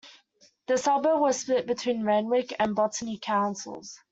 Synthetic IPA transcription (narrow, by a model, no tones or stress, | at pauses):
ðəsʌbəwɒz̥spɪʔ̚b̥ɪtʰw̥ĩːnɹɛ̃nwɪkə̃nbɒtnikʰãʊ̃nsə̰lˠz̥